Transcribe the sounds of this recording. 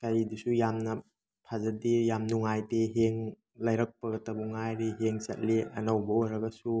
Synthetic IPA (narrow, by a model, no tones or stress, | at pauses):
kajdusujamnɐ | pʰazɐdijamnuŋajteɦeŋ | lɐjɾɐk̚pɐɡɐtɐbuŋajɾiɦeŋsɐ̰t̚liɐ̰nawbɐojɾɐɡɐsu